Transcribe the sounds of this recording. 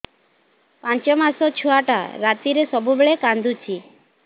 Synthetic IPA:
pãɲt͡ʃɔmãsɔt͡ʃʰuaʈa̰ɾat̪iɾesɔbʱubɭekãnd̪ut͡ʃʰi

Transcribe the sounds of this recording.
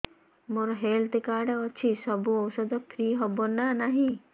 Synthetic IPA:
moɾɦeːlt̪ekaːɖaɔt͡ʃʰisɔbuɔwsɔd̪ɔkʰɾiːɦɔbonanaɦĩ

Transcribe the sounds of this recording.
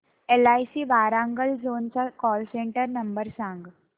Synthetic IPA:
elaːisiːbaːɾãŋɡəlzoːnt͡sakɔːlsẽɳʈəɾnɐmbəɾsãŋɡ

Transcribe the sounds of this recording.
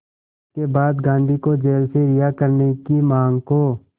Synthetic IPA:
ɪskebaːd̪ɡãːnd̪ʱikod͡ʒeːlseɾɪjakəɾnekimãːŋɡkoː

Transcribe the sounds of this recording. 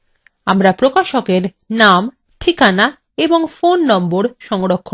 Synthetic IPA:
amɾapɾokaʃokeɾ | nam | ʈʰikana | eboŋfonːɔmboɾʃɔŋɾokʰːo

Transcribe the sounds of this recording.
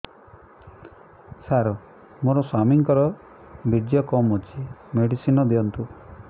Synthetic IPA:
saɾɔ | moɾɔswamiŋkɔɾɔ | bid̪jɔkɔmɦot͡ʃʰimeɽisinɔd̪iɔnt̪u

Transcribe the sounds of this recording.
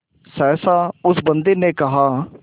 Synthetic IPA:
sɛːsãːʊsbənd̪eːnẽːkɐɦaː

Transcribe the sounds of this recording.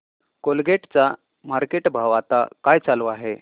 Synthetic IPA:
kolɡeʈt͡sa | maɾkeʈbʱaʋat̪a̰kajt͡saluaɦe

